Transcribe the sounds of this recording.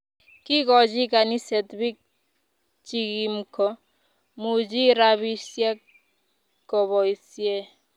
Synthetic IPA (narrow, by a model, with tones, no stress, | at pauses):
ki˦kɔd͡ʒi˦ka˨ni˦sɛ˨t̪bi˦k̚ | t͡ʃikimkʰɔ˦ | mu˨d͡ʒi˦ɾaβi˦sjɛ˦k | kːɔ˨βɔ˨isje˦